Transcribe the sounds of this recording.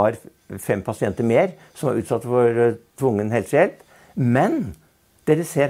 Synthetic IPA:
ɑɾ | fɛmpʰɑsɪɛnt̪əɾmeːɾ | sɔmæ̰ɾʉ̰ːt̪sɑt̪ːfɔɾt̪ʰʋʊŋːənheːlsɛlt̪ | mɛn | d̪̥eːɾəseː

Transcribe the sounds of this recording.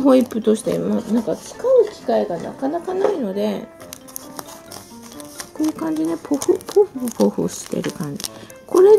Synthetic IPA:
ɦoipːɯ̟t̪o̞ɕi̥t̪e̞̰ma̰nãŋkat͡sɨ̥kaɯ̟kʲi̥kaiɡana̰kanakanaino̞d̪e̞ | konokãɲ̟d͡ʑinepʰoɸopʰoɸpoɸo̰ɕi̥t̪ḛɾɯ̟kãɲ̟d͡ʑi | ko̞ɾe̞

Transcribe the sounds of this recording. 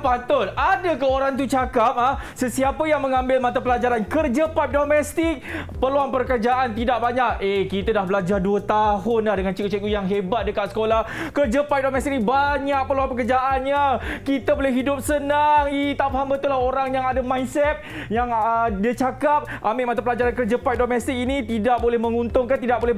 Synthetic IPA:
pant̪ʊt̪̚adakəoɾaŋt̪̬ut͡ʃakap̚ahsəsiapəjaŋmə̃ŋãmbɪlmãt̪apəlad͡ʒaɾankərd͡ʒəpajp̚domɛst̪ɪk̚pəluaŋpərkərd͡ʒaʔant̪idaʔ̚baɲak̚ekit̪adahbəlad͡ʒarduət̪aɦʊnlahdəŋant͡ʃəkut͡ʃəkujaŋɦebat̪̚dəkat̪̚sə̥kolahkərd͡ʒəpajp̚domɛst̪ik̚nibaɲak̚pəluaŋpəkərd͡ʒaʔanɲakit̪abolɛɦidʊp̚sənaŋit̪apɦambət̪ulahoɾaŋjaŋadamãjnsɛt̪̚ | jaŋədit͡ʃakap̚ʔambɪʔmat̪apəlad͡ʒaɾankərd͡ʒəpajp̚domɛst̪ɪk̚init̪idak̚bolɛhmə̃ŋunt̪ʊŋkant̪idak̚bolɛ

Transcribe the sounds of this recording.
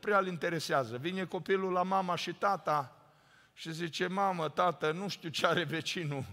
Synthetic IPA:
pɾealint̪e̞ɾeseazəvine̞ko̞pilulamamaʃit̪at̪a | ʃizit͡ʃe̞mamət̪at̪ənuʃt̪iut͡ʃeaɾe̞ve̞t͡ʃinu

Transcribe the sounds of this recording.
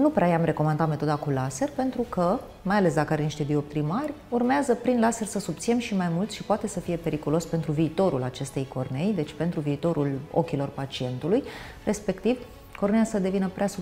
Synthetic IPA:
nupɾeajamre̞ko̞mand̪at̪me̞t̪o̞d̪akulase̞rpe̞nt̪ɾukə | majale̞s̬d̪akəaɾeniʃt̪e̞d̪io̞p̚t̪ɾimarʲ | urmeazəpɾinlase̞rsəsubt̪siemʃimajmult̪sʃipoat̪e̞səfije̞pe̞ɾikulo̞spe̞nt̪ɾuviːt̪o̞ɾulat͡ʃe̞st̪e̞jko̞rne̞jd̪e̞t͡ʃʲpe̞nt̪ɾuviːt̪o̞ɾulo̞̰kʲilo̞rpat͡ʃie̞nt̪uluj | re̞spe̞kt̪iv | ko̞rnejasəd̪e̞vinəpɾeasu

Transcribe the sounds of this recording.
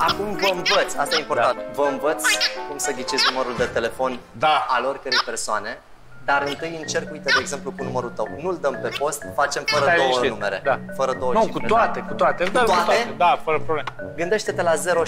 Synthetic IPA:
akumvəɨɱvət̪sʲast̪ajeimpo̞t̪ant̪vəɨnvət̪sʲkumsəɡʲit͡ʃezʲnuməɾuld̪e̞t̪e̞le̞fo̞n | d̪aaleo̞rʲkəɾejpe̞rsoane̞ | d̪aɾɨnt̪ɨjɨnt͡ʃe̞rkujt̪əd̪eːɡze̞mplukunuməɾult̪əwnuld̪əmpe̞po̞st̪fat͡ʃe̞mfəɾəd̪o̞wənume̞ɾe̞d̪afəɾəd̪owənuikueoat̪ekut̪oat̪euoaat̪aed̪afəɾəpɾoblemɡɨnd̪e̞ʃt̪e̞t̪e̞laze̞ɾo̞

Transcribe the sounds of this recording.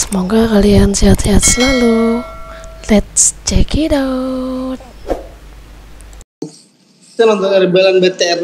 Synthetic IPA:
sə̥moɡakaliansiɦat̪siɦat̪̚səlalu | lɛt̪̚st͡ʃɛkʰidaut̪̚ | t̪anɔnt̪ɔaɾibelanbet̪eɛr

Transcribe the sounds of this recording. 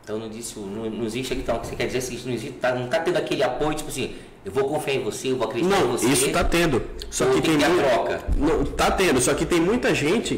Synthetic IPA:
t̪ɐ̃w̃nɐ̃d͡ʒisʊnɐ̃nɐ̃iziʃt͡ʃɐkĩt̪ɐ̃w̃ksekɛɾd͡ʒizesĩisʊnɐ̃iziʃt̪ʊ̥t̪anɐ̃w̃t̪at̪ẽnd̪ʊakelɪapojʊt͡ʃi̥pasĩ | ewvokõfiẽvoseewvoakɾed͡ʒinɐ̃w̃vosisʊt̪at̪ẽnd̪ʊsɔkɪt̪ẽj̃ãɾɔkɐ̰nɐ̃w̃t̪at̪ẽnd̪ʊsɔkɪt̪ẽj̃mũj̃t̪ɐʒẽnt͡ʃɪ

